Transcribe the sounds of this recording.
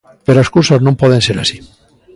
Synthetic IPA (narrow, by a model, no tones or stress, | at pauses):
peɾoeskusaznõmpoðenseɾa̰si̥